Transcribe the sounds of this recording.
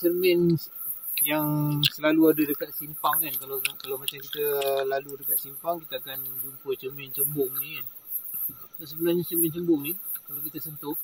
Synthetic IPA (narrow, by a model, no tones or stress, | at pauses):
t͡ʃərmɪn | jaŋsəlaluadadəkat̪̚simpaŋankalakalawmat͡ʃamkit̪əlaludəkat̪̚simpaŋkit̪aːkand͡ʒumpət͡ʃərmɪnt͡ʃəmbʊŋnikan | sos̬əbənahɲat͡ʃərmɪnt͡ʃəmbʊŋnikalawkit̪əsənt̪ʊʔ